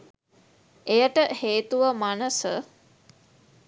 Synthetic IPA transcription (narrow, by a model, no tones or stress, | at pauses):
ejəʈəheːt̪uʋəmanəsə